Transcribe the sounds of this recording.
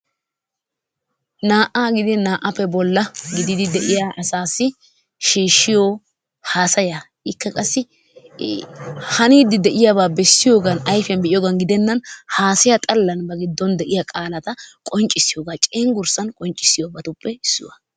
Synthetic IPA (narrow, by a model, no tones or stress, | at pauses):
naːʔaːɡɪd̪ɪnaːʔɐpːɛbɔlːɐɡɪd̪ɪd̪ɪd̪ɛʔɪjaːʔɐsaːsːɪ | ʃiːʃːɪjoː | haːsɐja | ʔɪkːɐkʼɐsːɪ | hɐniːd̪ːɪd̪ɛʔɪjaːbaːbɛsːɪjo̞ːɡɐnɐjfjɐnbɛʔɪjoːɡɐnɡɪd̪ɛnːɐnhaːsɪjat̪ʼɐlːɐnbɐɡɪd̪ːɔnd̪ɛʔɪjakʼaːlɐt̪ɐkʼɔnt͡ʃʼːɪsːɪjoːɡaːt͡ʃʼeːŋɡʊɾsɐnkʼɔnt͡ʃʼːɪ̥sɪjoːbɐt̪ʊpːɛɪsːʊwɐ̰